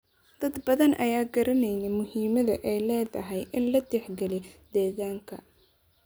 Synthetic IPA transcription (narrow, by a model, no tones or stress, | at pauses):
d̪̥ɐd̪bɐðɐnʔɐjaːɡɐɾɐnɛjnɛmʊhiːmɐðɐʔɛjlɛːðɐɦɛjʔɪnlɐd̪ɛħɡɛlid̪̥ɛːɣaːŋkʰɐ